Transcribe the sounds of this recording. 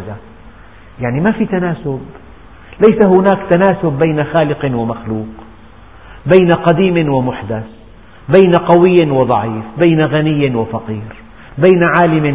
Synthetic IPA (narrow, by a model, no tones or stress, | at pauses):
za | jaʕnimafit̪anaːsʊb̚ | lajsahʊnaːkt̪anaːsʊbːajnaxaːlɪqnwɪmaxluːq | bajnaqɑd̪iːmɪnwɪmʊħd̪as | bajnaqɑwɪjːɪnwɪd̪ˤɑʕiːfbaːnaɣanɪjːɪnwɪfɑqiːɾ | bajnaʕaːlɪmɪ